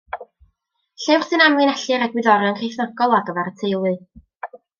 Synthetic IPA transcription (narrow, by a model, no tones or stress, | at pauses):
ɬɛwr̥sɨnamɨnɛɬɨɾaɡwɪðɔɾjɔnkʰrejθnɔɡ̥ɔlˠaɡəvɛɾətʰejlˠɨ